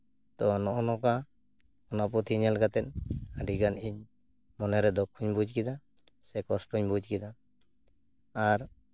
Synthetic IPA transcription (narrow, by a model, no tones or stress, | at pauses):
t̪ɔnɔʔɔnɔka | ɔnapɔt̪ʰiɲɛlɡat̪ɛt̪aɖiɡaniɲ | mɔnɛɾɛd̪ɔkʰːuɲbud͡ʒkid̪a | sɛkɔsʈuɲbud͡ʒkid̪a | ɾ